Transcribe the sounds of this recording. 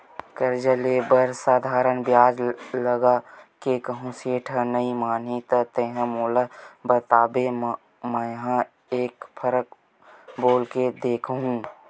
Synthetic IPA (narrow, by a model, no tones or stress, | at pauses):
kəɾd͡ʒəleːbəɾsaːd̪ʱaːɾənbjaːd͡ʒləɡakekəɦũseːʈʰənəimaːnɦit̪ət̪eːɦə̃moːlabət̪aːbem | mə̃ɦã | eːkpʰəɾək̚ | boːlked̪eːkʰɦũ